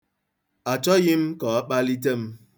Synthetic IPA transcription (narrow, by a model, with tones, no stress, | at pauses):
a˨t͡ʃɔ˦ɣɪ˦m̩˦kɔ˨a˦k͡pa˦li˦t̬e˦m̩˦